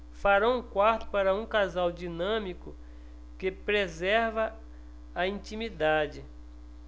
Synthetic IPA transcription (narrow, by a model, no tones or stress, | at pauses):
faɾɐ̃w̃ũkwaɾt̪ʊ̥paɾɐũkazawd͡ʒinɐ̃mikʊ | kɪpɾezɛɾvɐ | ɐĩt͡ʃĩmid̪ad͡ʒɪ